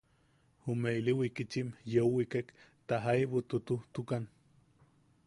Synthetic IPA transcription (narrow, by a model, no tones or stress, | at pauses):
humeiliwikit͡ʃimjeuwikekt̪aɦaiwut̪ut̪uht̪ukan